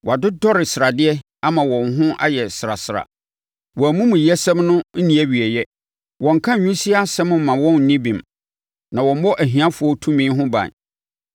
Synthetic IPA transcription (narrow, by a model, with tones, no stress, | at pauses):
wɔ˨a˨dʊ˦dɔ˦ɾɪ˨sɪ˨ɾa˨dɪ˦ɛ˦ | a˦mã˨wɔ̃˨nɦʊ̃˦ʔa̰˦jɛ˨sɾa̰˨sɪ˨ɾa̰˨ | wɔ˨æ˨mũ˦mũ˨jɛ˦sɛ̃˦mnʊ̃˦n̩˦nĩ˨˦æ˦ɥi˨ɛ˨jɛ˦ | wɔ̃˨ŋ̩˨kʰã˦ɲᶣũ˦si˦a˦sɛ̃˦m̃˦m̩˨mːã˨wɔ̃˦n̩˨nĩ˦bĩ˨m | nã˨wɔ̃˨m˦bɔ˦ʔæ˨ɦĩ˨ã˦fʊ˨ɔ˦tʰũ˦mĩ˦ɦʊ̃˦bã̰˨n˨